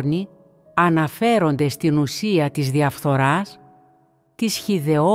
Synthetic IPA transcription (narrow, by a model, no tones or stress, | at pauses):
ɾni | ɐnɐfe̞ɾo̞nd̪e̞st̪inusiɐt̪izðiɐfθo̞ɾɐs | t̪isçiðe̞o